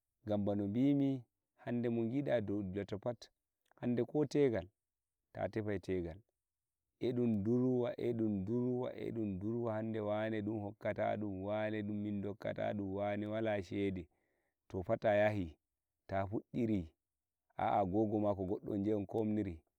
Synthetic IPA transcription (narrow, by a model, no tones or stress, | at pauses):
ɡambanɔmbimi | handɛmɔŋɡiɗadɔdulatɔpat | handɛkɔtɛɡal | ta̰tɛfajtɛɡal | ʔɛɗumduɾwaʔɛɗumduɾwa̰ʔɛ̰ɗumduɾwahandɛwanɛɗumhɔkːata̰ɗumwanɛɗumːindɔkːa̰ta̰ɗumwanɛwalaʃɛdɛ | tɔpatajahi | tafuɗːiɾi | ʔa̰ʔaɡɔɡɔmakɔɡɔɗːɔ̰nd͡ʒɛnkomniɾi